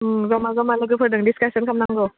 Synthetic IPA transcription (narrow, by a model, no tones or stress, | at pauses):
zɔmazɔmalɯkɯpʰɯɾdɯŋdiskasənkʰamnaŋɡɔ